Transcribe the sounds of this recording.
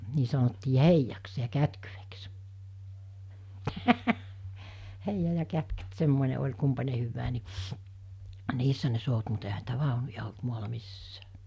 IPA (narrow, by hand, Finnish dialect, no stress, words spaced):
niː sɑnotːiː heijɑks jɑ kætkyʋeks heijɑ jɑ kætkyt semːoˑine olʲ kumpɑne hyʋːæː ni niːsːæ ne sout mut ehæ niːtæ ʋɑˑonujɑ olt muɑlɑ misːæː